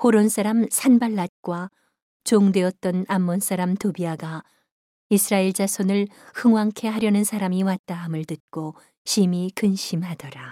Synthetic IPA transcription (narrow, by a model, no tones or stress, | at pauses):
hoɾons͈aɾamsʰanbaɭːat̚k͈wa | t͡ɕoŋdwe̞ʌt̚t͈ʌnamːons͈aɾamtobiaɡa | isʰɯɾaiɭd͡ʑasʰonɯɭhɯŋwaŋkʰe̞ɦaɾjʌnɯnsʰaɾamiwat̚t͈aɦamɯɭtɯt̚k͈o | ɕʰimikɯnɕʰimhadʌɾa